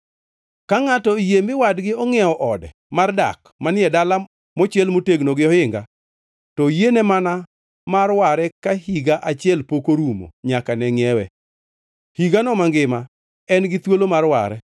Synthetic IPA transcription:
kaŋatɔijemɪwadɡɪɔŋɛɔʔɔdɛ | marda̰k | manɪɛdala | mɔt͡ʃɪɛlmoteɡnoɡɪɔhɪŋɡa | tɔjenɛmana | marwaɾɛkahiɡaʔat͡ʃɪɛlpokoɾumo̰ɲakanɛŋɪɛwɛ | hiɡanɔmaŋɡɪma | ɛnɡɪt̪wolomarwa̰ɾɛ̰

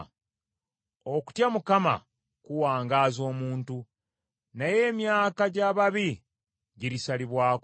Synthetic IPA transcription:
oku̥tjamukama̰ | kuwaːŋɡaːzo̞ːmuːntu | naje̞ːmjaːkaɟaːβaβi | ɟiɾisaliβwaːk

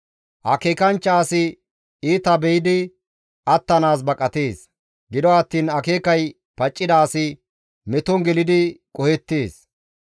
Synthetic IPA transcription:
ʔɐke̞ːkɐnt͡ʃːɐːsɪ | iːt̪ɐbɛjɪd̪ɪ | ʔɐt̪ːɐnaːs̬bɐkʼɐt̪eːs | ɡɪd̪ɔɐt̪ːiːnɐke̞ːkɐj | pɐt͡ʃʼːɪd̪aːsɪ | mɛt̪ɔŋɡɛlɪd̪ɪkʼɔhɛt̪ːeːs

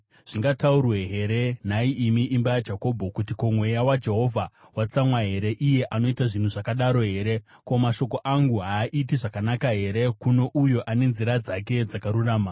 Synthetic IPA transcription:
ʐ̥iŋɡataurwe̞ɦe̞ɾe̞n̤aiimiʔimbajad͡ʒako̞bʱo̞kutikomwe̞jawad͡ʒe̞ɦo̞vʱa | wat͡samwaɦe̞ɾe̞ʔije̞ʔano̞itaʐin̤uʐakaɗaɾo̞ɦe̞ːɾe̞ | ko̞maʃo̞ko̞ʔaŋɡuɦaːʔitiʐakanakaɦe̞ɾe̞kuno̞ʔujo̞ʔane̞nziɾad͡zak̬e̞d͡zakaɾuraːma

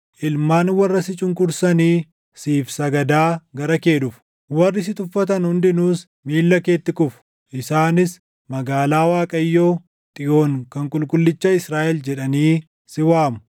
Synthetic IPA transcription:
ʔɪlmaːnwɐrːɐsɪt͡ʃʼʊŋkʼʊɾsɐniː | siːfsɐɡɐd̪aːɡɐɾɐke̞ːᶑʊf | wɐrːɪsɪt̪ʊfːɐt̪̬ɐnhʊnd̪ɪnuːs | miːlːɐke̞ːt̪ːɪkʊfʊ̥ | ʔɪsaːnɪs | mɐɡaːlaːwaːkʼɐjːoː | t̪ʼɪʔo̞ːŋkɐŋkʼʊlkʼʊlːɪt͡ʃːɐɪsɾaːʔɛld͡ʒɛᶑɐniː | sɪwaːmʊ̥

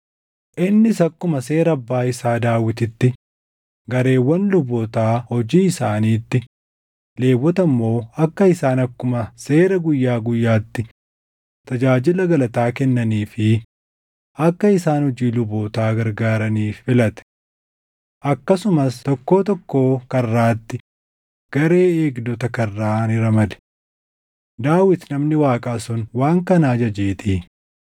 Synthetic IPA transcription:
ʔɪnːɪsɐkːʊmɐse̞ːɾɐɐbːaːɪsaːd̪aːwɪt̪ɪt̪ːɪ | ɡɐɾe̞ːwːɐnlʊbɔt̪aːhɔd͡ʒiːɪsaːniːt̪ːɪ | le̞ːwːɔt̪ɐmːo̞ːɐkːɐɪsaːnɐkːʊmɐse̞ːɾɐɡʊjːaːɡʊjːaːt̪ːɪ | t̪ɐd͡ʒaːd͡ʒɪlɐɡɐlɐt̪aːkɛnːɐniːfɪ | ɐkːɐɪsaːnhʊd͡ʒiːlʊboːt̪aːɡɐɾɡaːɾɐniːffɪlɐt̪ɛ̥ | ʔɐkːɐsʊmɐst̪ɔkːo̞ːt̪ɔkːo̞ːkɐrːaːt̪ːɪ | ɡ̥ɐɾe̞ːeːɡd̪ɔt̪ɐkɐrːaːnɪɾɐmɐlɛ̥ | d̪aːwɪt̪nɐmnɪwaːkʼaːsʊnwaːŋkɐnaːd͡ʒɐd͡ʒeːt̪iː

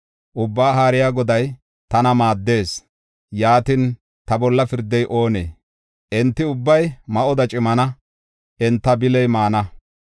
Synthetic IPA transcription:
ʔʊbːaːɦaːɾɪjaːɡɔd̪ɐj | t̪ɐnɐmaːd̪ːe̞ːs | jaːt̪ɪn | t̪ɐbɔlːɐfɪɾd̪ːɛjʔo̞ːnḛː | ʔɛnt̪ːɪʊbːɐjmɐʔɔd̪ɐt͡ʃʼɪmɐnɐ | ʔɛnt̪ːɐbɪlɛjmaːnɐ

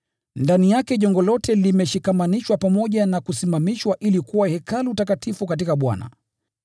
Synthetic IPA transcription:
ndanijakɛʄɔŋɡɔlɔtɛlimɛʃikamaniʃwapamɔʄanakusimamiʃwaʔilikuwahɛkalutakatifukat̬ikaɓwa̰na̰

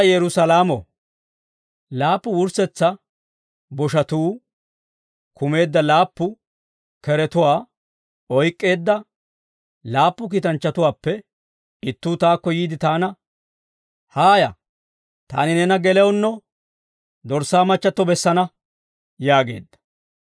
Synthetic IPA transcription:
jɛɾʊsɐlaːmɔ̰ | laːpːʊʊɾsɛt͡sːɐ | bɔʃɐt̪uː | kʰʊme̞ːd̪ːɐlaːpːʊ | kɛɾɛt̪ʊwaː | ɔjkʼːe̞ːd̪ːɐ | laːpːʊk̬iːt̪ɐnt͡ʃːɐt̪ʊwaːpːɛ | ɪt̪ːuːt̪aːkːɔjiːd̪ɪt̪aːnɐ | haːjɐ̰ | t̪a̰ːnɪnɛnɐɡɛlɛwʊnːɔ | d̪ɔɾsaːmɐt͡ʃːɐt̪ːɔbɛsːɐnɐ | jaːɡe̞̰ːd̪ːɐ̥

